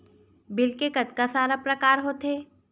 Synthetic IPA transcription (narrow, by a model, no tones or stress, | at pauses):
bɪlkekɐt̪kasaːɾapɾɐkaːɾɦoːt̪ɦeː